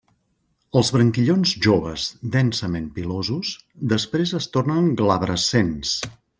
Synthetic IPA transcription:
əlˠzβɾəŋkiʎonzʒoβə̰zd̪ɛnsəmempilozusd̪əspɾezəst̪ornəŋɡlaβɾəsens

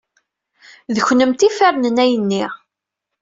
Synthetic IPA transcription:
ðəçnəmt̪ifæɾnənæjənːiʁ

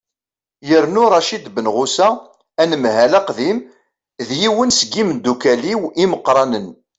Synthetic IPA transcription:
jəɾnʊɾˤɑʃid̪bənʁʊsæ | ænəmhælæqðim | ðjiwənsəɡimnd̪ːukæliwiməqːɾˤɑnən

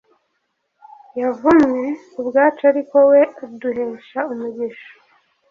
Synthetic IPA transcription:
javumwe | ubɡaːt͡ʃaɾiko̞we̞duɦeːʃaumuɟiʃo̥

